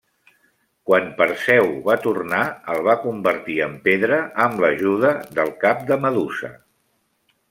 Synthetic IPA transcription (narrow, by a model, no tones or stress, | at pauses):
kwanpəɾsɛwβat̪urnaəlˠβakumbəɾt̪iəmpeðɾəʔəmləʒuð̞əðəlˠkap̚d̪əməðusə̰